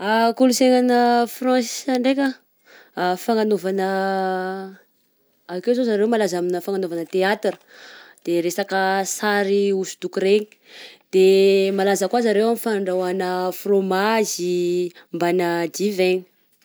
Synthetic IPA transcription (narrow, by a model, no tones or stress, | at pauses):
akuluseŋanəfrɔ̃saɳɖ͡ʐekʲə | faŋanovanə | akewzozaɾewmalazaminəfaŋanovanət̪eat̪rə̥d̪̥eɾesakəsaɾiusu̥d̪ukuɾeɲi̥ | d̪̥emalazəkwazaɾewamifaɳɖ͡ʐawanəfromazimbanəd͡ʒ̪iveɲi̥